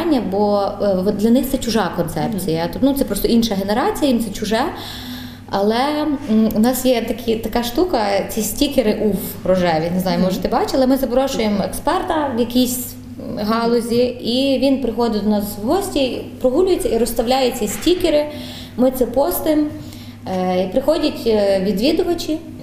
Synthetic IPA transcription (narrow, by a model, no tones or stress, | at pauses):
nʲːɐbɔd̪lʲɐnɪxt̪sɛt͡ʃʊʒɑkɔnsɛpt͡sʲijɐt̪nut̪sɛpɾɔst̪ɔinʃɐɦeneɾɑt͡sʲijɐjimt̪sɛt͡ʃʊʒɛ | ɐlˠɛ | unɑsjɛt̪ɐkʰʲit̪ɐkɑʃt̪ukɐt͡sʲisʲtʲikʲeɾɪʔuwɾɔʒɛʋʲineznɑjʊmɔʒet̪ɪbɑt͡ʃɐlˠɛmɪzɐbɾɔʃʊjemekspɛrt̪ɐʋjɐkʲisʲ | ɦɑlˠɔzʲiiʋʲinpɾɪxɔd̪ɪd̪ɔnɑswɦɔsʲtʲipɾɔɦulʲʊjet͡sʲːɐiɾɔst̪ɐwlʲajʊt͡sʲːɐisʲtʲikʲɪɾɪ | mɪt̪sɛpɔst̪ɪm | ipɾɪxɔdʲɐtʲʋʲid̪ʋʲid̪ʊʋɐt͡ʃʲi